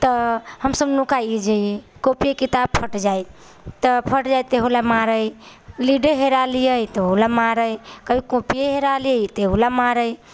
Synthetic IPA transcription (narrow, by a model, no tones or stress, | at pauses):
t̪ɔhəmsəbnukajid͡ʒejekopijekit̪ab̚pʰəʈd͡ʒaj | t̪əpʰəʈd͡ʒajt̪eɦulamaɾəjliɖeɦeɾalijəjt̪eɦulamaɾəjkəbʱikopijeɦeɾalijəjt̪eɦulamaɾəj